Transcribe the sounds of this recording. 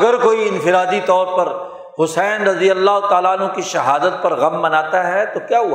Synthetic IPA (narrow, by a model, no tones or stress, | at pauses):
ɡəɾkoːiɪ̃nfɪɾaːd̪it̪ɔːɾpɐɾ | hʊsɛːnɾɐd̪ijɐlːaːɦot̪aːlaːənɦõkiʃɐɦaːd̪ət̪̚pɐɾɣɐmːɐnaːt̪aɦɛt̪okjaːɦua